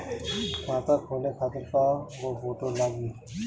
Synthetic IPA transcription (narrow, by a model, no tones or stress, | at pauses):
kãt̪akʰolekʰat̪iɾkaɡofoʈolaɡi